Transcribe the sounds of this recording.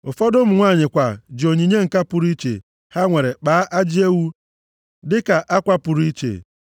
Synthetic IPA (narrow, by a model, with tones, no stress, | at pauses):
ʊ˨fɔ˦dʊ˦m̩˦ŋʷa˦˨ɲɪ˨kʷa˨d͡ʒi˨o˨ɲi˨ɲe˦ŋ̩˨ka˦pʊ˨ɾi˦t͡ʃḛ˨ | ha˦ŋʷe˨ɾe˨k͡paː˨˦ʔa˦d͡ʒi˦e˦wu˦ | dɪ˦ka˨ʔa˦kʷa˦pʊ˨ɾi˦t͡ʃḛ˨